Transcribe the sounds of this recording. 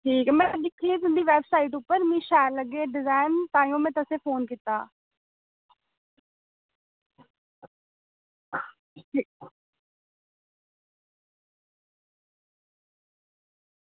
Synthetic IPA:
ʈʰiːkmɛ̃ːɗɪkʰit̪ɪ̃nd̪iʋeːbsaːɪʈ̬ʊpəɾmĩːʃaːjəɾlɐɡeɖɪzaːɪnt̪aːijõmẽt̪ɐsẽfoːnkit̪aː | ʈʰiː

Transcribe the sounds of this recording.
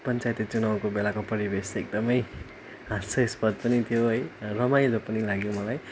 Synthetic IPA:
pʌnt͡sajt̪it͡sunaw̃kobelakopʌɾibesek̚d̪ʌmʌj | ɦãst͡sʰʌespʌd̪̚pʌnit̪ʰijoɦʌjrʌmajd͡zʌpʌnilaɡjomʌlaj

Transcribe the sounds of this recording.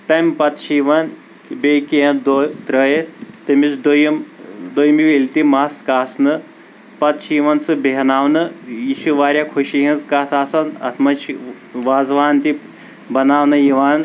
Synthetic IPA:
t̪ɐmpɐt̪t͡ʃʰiʋɐn | bekiɦɐ̃nd̪ot̪ɾɐjet̪ɐmizd̪ojmd̪ojmiʋelʲt̪imaːskaːsnɨ | pɐt̪t͡ʃʰiʋɐnsɨbeɦɐnaːwnɨjiʃʰiʋaːɾʲjakʰuʃiɦĩnzkaːt̪ʰaːsɐnɐ̰t̪ʰmɐt͡ʃʰi | ʋaːzʋaːnt̪i | bɐnaːwnɨjiʋaːn

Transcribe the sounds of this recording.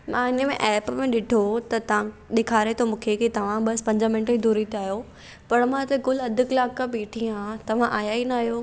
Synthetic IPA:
mãːɪnəmḛ̃ʔɛːpmẽɗɪʈʰot̪ɐt̪ɐ̤ãɗɪkʰaːɾet̪ʰomũːkʰekit̪ɐʋ̤ãɓɐspɐ̃ɲd͡ʑmɪ̃nʈid̪uːɾit̪aːɦjo | pɐɾmãt̪ekʊlɐd̪ʱʊklaːkːãbiːʈʰĩãt̪ɐʋ̤ãʔaːjaːinaːɦijoː

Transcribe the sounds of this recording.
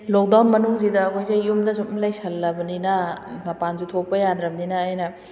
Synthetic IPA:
lok̚dawnmɐnuŋzidɐːkʰojzajːumdɐsut̚mlajsɐlːɐbɐninɐmɐpanzutʰok̚pɐjanɾɐmninɐːjnɐ

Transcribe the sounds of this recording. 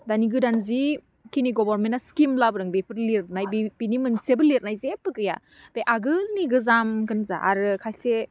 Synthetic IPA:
daniɡɯdanzi | kiniɡɔbaɾmentːaskimlabɯɾɯŋbepʰɯɾliɾnajbibinimɯnsebɯliɾ̚najzepɯkɯja̰ | b̥eʔaɡɯniɡɯzamkɯnza̰ʔa̰ɾɯkʰajse

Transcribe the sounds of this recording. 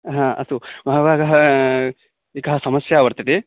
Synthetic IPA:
ɦãːɐ̰sumʱaɦʋaːɡɐɦɐ | eːkɐɦɐsɐmɐsjaːʋɐɾt̪ɐt̪e

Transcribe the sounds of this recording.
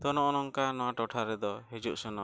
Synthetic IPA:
t̪ɔnɔʔɔnɔŋkanɔwaʈɔʈʰaɾɛd̪ɔɦed͡ʒuʔsɔnɔ

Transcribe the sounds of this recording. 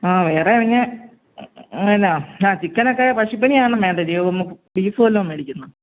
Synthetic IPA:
aːʋe̞ːreɐʋɐɲːɐ | ɐnaːaːt͡ɕikːɐnokːepɐʂip̬ːɐniaːɐɳɐmeːɳɖɐdijomːukːɨbiːfoːlːoːmʋeːɽikʲːunːɐ

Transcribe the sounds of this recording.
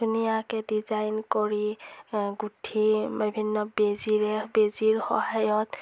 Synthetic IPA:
dʱunijakedid͡ʒajnkɔɾi | ɡuʈʰibibʱinːɔbeziɾebeziɾhɔ̰ɦajɔt̪

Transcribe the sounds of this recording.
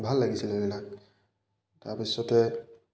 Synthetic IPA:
bʱalːaɡisilɛninak̚ | taɹpisɔtɛ

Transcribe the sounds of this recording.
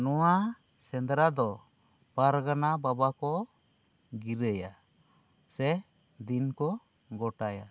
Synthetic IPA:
nɔwa | sɛnd̪ɾad̪ɔ | paɾɡanababakɔ | ɡiɾəja | sɛ | d̪inkɔ | ɡɔʈaja̰

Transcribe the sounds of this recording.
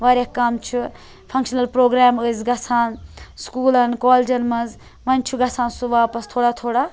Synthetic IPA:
ʋaːɾʲɐkkːɐmt͡ʃʰu | pʰɐ̃ŋkʃɐnɐlpɾoːɡɾaːməzɡɐsʰaːnskuːlɐnkɔːld͡ʒɐnmɐz | ʋɐnt͡ʃʰuɡɐsãːnsuʋaːpɐst̪ʰoːɽaːt̪ʰoːɽa

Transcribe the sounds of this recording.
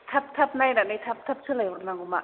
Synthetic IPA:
t̪ʰap̚t̪ʰap̚najnanajt̪ʰap̚t̪ʰap̚sʰɯlajɔɾnaŋɡuma

